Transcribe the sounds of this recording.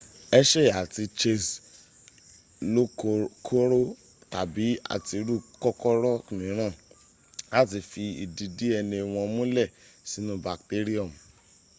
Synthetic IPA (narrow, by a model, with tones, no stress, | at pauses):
ɛ˦ʃɛ˦˨a˨ti˧t͡ʃe˧s | lo˦kʰo˦ɾo˦ | ta˨bi˨˦a̰˦˨ti˧ɾu˦˨kɔ˦kɔ˦ɾɔ˦nĩ˨˦ɾ̃ã˦˨ | a˦˨t̬i˨fi˧ḭ˨di˧di˦ɛ˧nĩ˧˨w̃ɔ̃˧mũ˦lɛ˦˨ | si˨˦nũ˦ba˨kte˦ɾi˦ɔ˦˨m˨